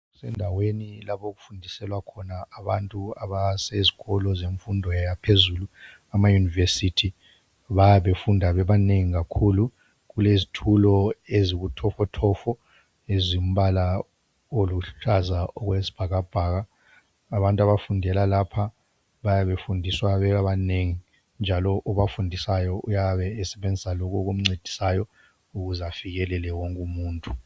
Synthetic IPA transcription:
sɛ̰ndʱawenilaɓoɣufundʱisɛlwakʰɔnaaβantʼuaβaseziɣɔlɔzeɱfundʱɔjajapʰezuːlu | amajunivesitʰi | βajaβefundʱaβɛβaneŋiɣ̬akʰulu | ɣulezitʰulɔeziɣutʰɔfɔtʰɔfɔ | ezim̩βala | oluɬuɬʰazaʔɔɣwezi̥b̥ʱaɣab̥ʱaːɣ̬aː | βantʼwaβafundʱɛlalapʰa | βajaβefundʱiswaβɛkaβaneŋi | nd͡ʒʱalɔʔɔβafundʱisajɔujaβɛːsɛɓend͡zʱisalɔk̬ʼɔk̬um̩ŋ͡ǀed̥ʱi̥sajɔ | uɣuzafiɣ̬ɛlɛlɛwɔŋkʼumuːntʼu

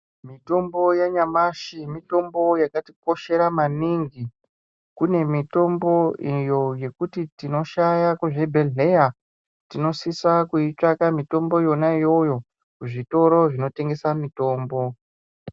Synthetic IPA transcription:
mito̞mbo̞jaɲamaʃimito̞mbo̞jakati̥p̚o̞ʃe̞ɾamaniŋɡi | kune̞mito̞mbo̞ijo̞je̞kutitino̞ʃajakuʐe̞bʱe̞ɮe̞ja | tino̞sisakuit͡ʂakamito̞mbo̞jo̞naijo̞jo̞ | kuʐito̞ɾo̞ʐino̞te̞ŋɡe̞samito̞ːmbo̞

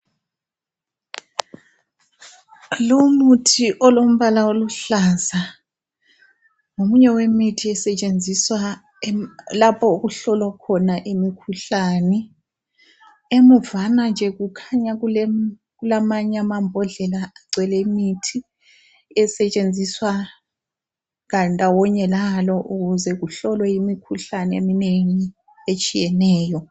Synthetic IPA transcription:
lomutʰiʔɔlom̩βalaoluɬaza | ŋomuɲɛwemitʰiɛsɛt͡ʃʼend͡zʱiswa | lapʰɔuɣuɬɔlwakʰɔnaʔemikʰuɬaːnɛ | emuvanand͡ʒʱɛɣukʰaɲaɣulɛ | ɣulamaɲamambʱɔɮɛlaaǀwɛlɛimitʰi | ɛsɛt͡ʃʼend͡zʱiswa | ŋandʼʱawɔɲɛlalɔʔuɣuzɛɣuɬɔlwɛjimikʰuɬanɛemineŋi | et͡ʃʼijɛnɛːjɔ

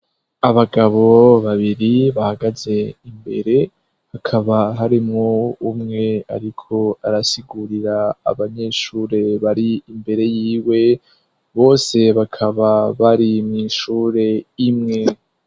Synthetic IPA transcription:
aβaɡaβo̞βaβiɾiβahaɡaze̞imbe̞̰ɾe̞ | hakʰaβaɦaɾimŋoumŋe̞a̰ɾikʰo̞aɾasiɡuɾiɾa̰ːβaɲe̞ʃuɾe̞βaɾiimbe̞ɾe̞jiːwe̞ | βo̞ːse̞βakʰaβaβaɾimŋiːʃuːɾe̞imŋe̞

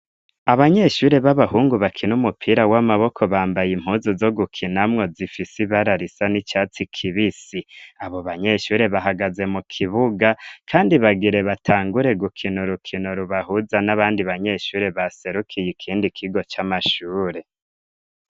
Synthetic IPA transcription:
aβaɲe̞ʃuːɾeβaβahuːŋɡuβakʰinumupʰiɾawamaβo̞kʰo̞βaːmbajim̥huːzozo̞ɡukʰinamŋo̞zifisiβaɾaɾisanit͡ʃaːt͡sikʰiβisiaβo̞βaɲe̞ʃuːɾe̞βaɦaɡaze̞mukʰiβuɡakʰaːndiβaɡiɾe̞βatʰaːŋɡuɾe̞ɡukʰinuɾukʰinoɾuβahuzanaβaːndiβaɲe̞ʃuːɾeβase̞ɾukʰijikʰiːndikʰiɡo̞t͡ʃamaʃuːɾe̞

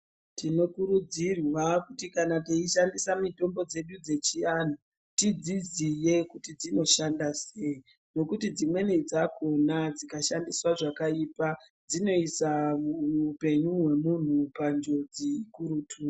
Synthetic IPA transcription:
tino̞kuɾud͡zirwakutikanateiʃandisamito̞mbo̞d͡ze̞ɗud͡ze̞t͡ʃian̤u | tid͡zizije̞kutid͡zino̞ʃandase̞i | no̞kutid͡zimwe̞nid͡zakʰo̞nad͡zikaʃandiswaʐakaipa | d͡zino̞isa | upe̞ɲuwe̞mun̤upand͡ʒo̞d͡zikuɾutʰuːa

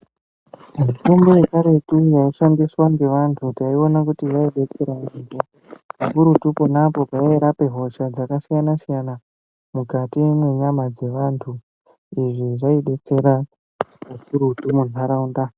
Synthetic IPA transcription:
ʐitombo̞jekaɾe̞tujaiʂandiswaŋɡe̞ʋantʰutaio̞nakutiʋaiɗe̞t͡se̞ɾanimbo | pakuɾutuponapo̞paeɾape̞ɦo̞ʃad͡zakasijanasijana | mukatimwe̞ɲamad͡ze̞ʋantʰu | iʐiʐaiɗe̞t͡se̞ɾa | pakuɾutumun̤aɾaunda

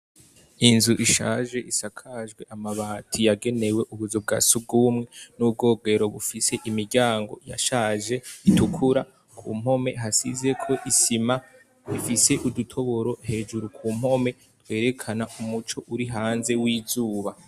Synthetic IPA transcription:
inzuʔiʃaːʒe̞ʔisakʰaːʒɡwe̞ʔamaβaːtʰijaɡe̞ne̞we̞ʔuβuzob̚ɡa̰sub̚ɡumŋe̞nub̚ɡo̞ːɡe̞ɾo̞βufise̞ʔimiɾɟaːŋɡo̞̰ja̰ʃaːʒe̞itukʰuɾa | kʰṵːm̥ho̞me̞̰ɦasize̞kʰo̞ʔisima | ifise̞ʔudutʰo̞βo̞ɾo̞he̞ːd͡ʒuɾukʰuːm̥ho̞me̞ | twe̞ːɾe̞kʰanaʔumut͡ʃo̞ʔuɾiɦaːnze̞wiːzuːβa

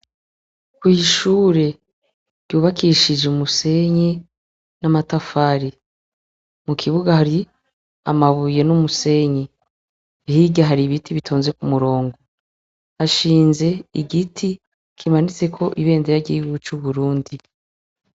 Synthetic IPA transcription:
kwiʃuːɾe̞ | ɾ̥ɟ̥juːβakʰiʃid͡ʒeumuse̞ɲi | namatafaːɾi | mukʰiβuɡahaɾi | a̰maβuje̞numuse̞ɲi | hiɟaɦaɾiβitʰiβitʰoːnze̞kumuɾo̞ːŋɡo | haʃiːnze̞iɡitʰi | kʰimanit͡se̞kʰo̞ʔiβe̞ːndeɾaɟiɡut͡ʃuβuɾuːndi

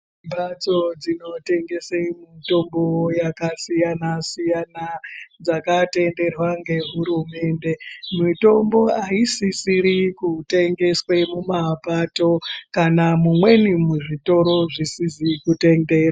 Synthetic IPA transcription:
mbat͡so̞d͡zino̞te̞ŋɡe̞semito̞mbo̞jakasijanasijanad͡zakate̞nde̞rwaŋɡe̞ɦuɾume̞ːnde̞mito̞mbo̞aisisiɾikute̞ŋɡe̞swe̞mumapato̞kanamumwe̞nimuʐito̞ɾo̞ʐisizikute̞nde̞ːra

